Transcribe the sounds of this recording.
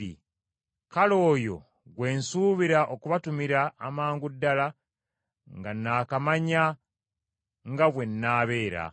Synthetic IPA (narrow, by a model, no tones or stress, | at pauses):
ḭ | kalo̞ːjo̞̰ | ɡwe̞ːnsuβiɾaʔokuβatumiɾaːmaːŋɡudːala | ŋɡanːaːkamaɲa | ŋɡaβwe̞nːaːβe̞ːɾa̰